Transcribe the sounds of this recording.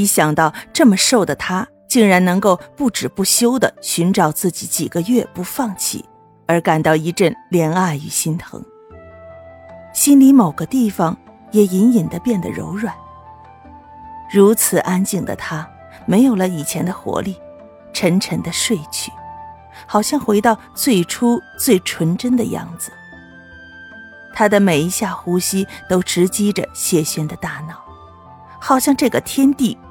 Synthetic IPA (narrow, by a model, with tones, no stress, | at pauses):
i˧˥ɕjɑ˨˩ŋt̪ɑ˥˧ʊʈ͡ʂɤ˥˩mə˩ʂo˥˩ʊd̪ə˩t̪ʰa˥ | t͡ɕi˥˩ŋɻa˧˥nnɤ˧˥ŋko˥˧ʊpu˥˩ʈ͡ʂɻ̩˨˩pu˥˩ɕjo˥ʊd̪ə˨ɕy˧˥nʈ͡ʂɑ˨˩ʊt͡sɹ̩˥˩t͡ɕi˧˥t͡ɕi˨˩ɡə˦ɥɛ˥˧pu˧˥fɑ˥˧ŋt͡ɕʰḭ˥˨˩ | ə˞˧˥ka˨˩nt̪ɑ˥˩ʊi˧˥ʈ͡ʂə˥˩nljɛ˧˥na˥˩ɪy˨˩ɕi˥nt̪ʰɤ̰˧˥ŋ | ɕi˥nli˧˥mo˨˩ʊɡə˦t̪i˥˩fɑ˨˩ŋ | jɛ˨˩i˧˥ni˨˩nd̪ə˦pjɛ˥˩nd̪ə̰˩ɻo̰˧˥ʊɻwa˨˩˦n | ɻu˧˥t͡sʰɹ̩˨˩ʔa˥nt͡ɕi˥˩ŋd̪ə̰˩t̪ʰa˥ | me˧˥ɪjo˨˩ʊlə˦i˨˩t͡ɕʰjɛ˧˥nd̪ə˧xwɔ̰˧˥li˥˩ | ʈ͡ʂʰə˧˥ŋʈ͡ʂʰə˧˥ŋd̪ə˧ʂwe˥˧ɪt͡ɕʰy˥˩ | xɑ˨˩ʊɕjɑ˥˧ŋxwe˧˥ɪt̪ɑ˥˧ʊt͡swe˥˩ɪʈ͡ʂʰu˥t͡swe˥˩ɪʈ͡ʂʰwə˧˥nʈ͡ʂə˥nd̪ə˨jɑ̰˥˩ŋd͡zɹ̩˩ | t̪ʰa˥d̪ə˨me˨˩ɪi˧˥ɕja˥˩xu˥ɕi˥t̪o˥ʊʈ͡ʂɻ̩˧˥t͡ɕi˥ʈ͡ʂə̰˨ɕjɛ˥˩ɕɥɛ˥nd̪ə˨t̪a˥˧nɑ˥˩ʊ | xɑ˨˩ʊɕjɑ˥˧ŋʈ͡ʂɤ˥˩ɡə˩t̪ʰjɛ˥nt̪i˥˩